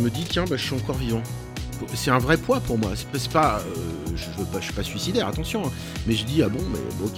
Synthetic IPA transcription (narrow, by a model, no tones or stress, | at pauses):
məd̪it̪jɛ̃baʒəsɥyɑ̃kɔʁijɑ̃ | pusɛt̪ɛ̃vʁɛpwapuʁmwasɛ̥pɛsɛ̥paøʒəvøpaʃi̥pasɥisid̪ɛʁat̪ɑ̃sjɔ̃ɛ̃ | mɛʒəd̪iabɔ̃mɛ̰bokʲ